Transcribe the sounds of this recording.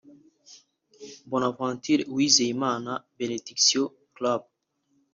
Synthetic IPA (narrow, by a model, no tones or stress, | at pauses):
bɔnafɾãnt̪ʰiɾwizejmanabened̪iksjo | klab̚